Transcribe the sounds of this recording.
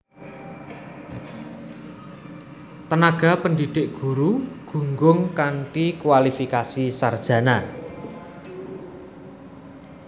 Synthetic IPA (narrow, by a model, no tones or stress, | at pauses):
t̪ənaɡ̥a̤pəndiɖ̪̥ɪʔɡ̥ṳɾuɡ̥ṳŋɡʊŋkanʈikwalifikasisard̥ʒ̥ä̤na